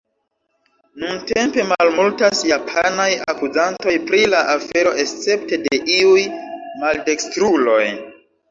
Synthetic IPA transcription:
nunte̞mpe̞malmultasjapʰanaja̰kuzanto̞jpɾilaʔafe̞ɾo̞ʔe̞st͡se̞p̚te̞de̞ʔiujmalde̞kstɾulo̞j

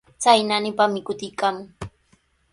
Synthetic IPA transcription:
t͡sajnanɪpamɪkʊt̪ɪjkaːmʊŋ

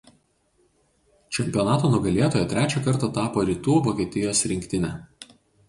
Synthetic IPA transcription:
t͡ʃʲɛmʲpʲiɔnɑːt̪oːnʊɡɐlʲeɛt̪oːjɛt̪ʲɾʲæːt͡ʃʲokɐɾˑt̪ɐt̪ɑːpoːɾʲiːt̪uːʋoːkʲiɛt̪ʲɪjoːsɾʲɪŋʲkʲt̪ʲɪnʲɛ

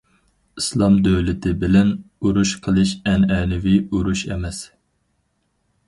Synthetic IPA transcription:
islˠɑmd̪øwlɪt̪ʰɪbɪlɛnuɾuʃqʰəlˠɨʃɛnɛnɪviuɾuʃɛ̰mɛs

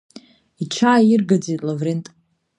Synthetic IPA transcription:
iʈ͡ʂʰaːjirɡad͡zitʼlavrentʼ

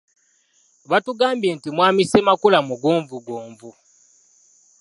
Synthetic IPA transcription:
βatuɡaːmbjeːntimwaːmisemakulamuɡuːɱvuɡoːɱvu

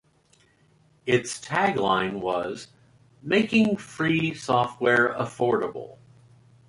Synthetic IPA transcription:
ɪtstʰæɡlã̰ɪ̃nwʌz | meɪkɪ̃ŋfɹisɔft̚wɛɹəfɔɹɾəbl̩ˠ

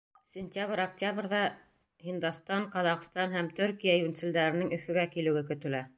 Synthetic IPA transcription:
sʲɪnʲt̪ʲaβɾɐk̚tʲaβrðɑ | hind̪ɑst̪ɑɴqɑðɑqst̪ɑnɦæmt̪ɵ̆ɾkijæjʉnt̪sɘ̆ld̪æɾɘ̆nɘŋɵ̆fɵ̆ɡækilɘ̆wɘkɵ̆t̪ɵ̆læ

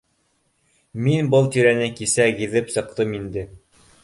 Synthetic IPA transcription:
minbɤlˠt̪iɾænɘkisæɣiðɘpsɤ̆q̚t̪ɤmind̪ɘ

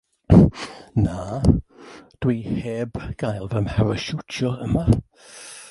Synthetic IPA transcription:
naː | d̥wiheːbɡ̥ajlˠvɛmhɛvəʃutʰɔəma

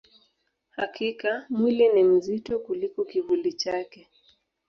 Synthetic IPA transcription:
ha̰kikamwilinim̩zitɔkulikɔkivulit͡ʃakɛ

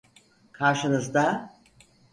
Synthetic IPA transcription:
kʰaɾʃɯnɯzd̪a

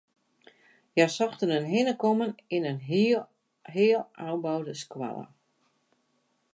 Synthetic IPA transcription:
jasɔxtənənɦɪnəkɔmənɪnən | ɦɪːlˠawbawdəskwa̰lˠə̰

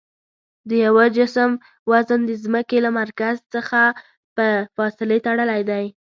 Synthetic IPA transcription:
d̪əjawad͡ʒɪsəm | wazənd̪əzməkelamaɾkazt͡səxa | pəfɑsɪlet̪aɽəlajd̪aj

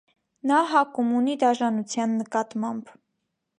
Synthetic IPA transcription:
nɑɦɑkumunid̪ɑʒɑnut͡sʰjɑnːəkɑt̪mɑmb

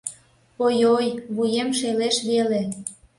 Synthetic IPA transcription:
ojojβujemʃeleʃβele

